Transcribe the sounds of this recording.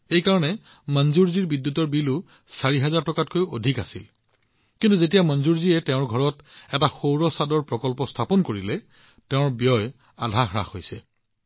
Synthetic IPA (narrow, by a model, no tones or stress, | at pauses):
ejkaɹɔnɛ | manzuɹziɹbidjutɔɹbilʊ | saɹiɦɛzaɹtɔkat̚kojodʱika̰sḭl | kintuzet̬ijamɔnzuɹziɛtɛ̃ʊ̃ɹɡʱɔɹɔtɛtaxowɹɔsadɔɹpɹɔkɔlpɔstʰapɔnkoɹilɛ | tɛʊ̃ɹbjɔj | a̰dʱaxɹa̰xojsɛ